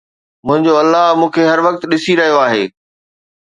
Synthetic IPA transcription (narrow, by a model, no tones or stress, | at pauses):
mʊ̃ɦɪ̃ɲd͡ʑoɐlːaɦmũːkʰeɦɐɾʋɐk̚t̪ɗɪsiɾɐɦijoaːɦeː